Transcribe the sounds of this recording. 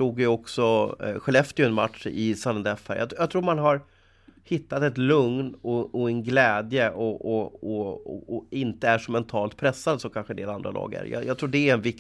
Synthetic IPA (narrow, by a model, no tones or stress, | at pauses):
uːɡjɵɔksɔɧɛlɛft̪əɾjɵɛnma̰t̪ʂɪsalənd̪ɛfæ̰ɾjɑ̰t̪jɑt̪ʰɾuːɾmanɦaɾ | hɪt̪ːat̪ɛt̪lɵŋnɔɔɛnɡlɛːd̪jəʔɔɔɔɔɪnt̪əæʂɔmɛnt̪ʰɑːlt̪pʰɾɛsːad̪sɔkʰanɧəɛnd̪eːland̪ɾa̰lɑ̰ːɡæ̰ɾjɑ̰jɑt̪ʰɾuːɖɛːɾɛnvɪk